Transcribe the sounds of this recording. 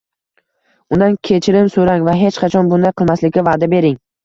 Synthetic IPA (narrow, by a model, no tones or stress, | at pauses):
ʊnd̪ankʲʰe̞t͡ʃʰɪɾɪmsoɾaŋvaɦe̞t͡ʃqʰɑt͡ʃʰɒnbʊnd̪ajqʰɨlˠmaslɪkʲavaːd̪abe̞ɾɪŋ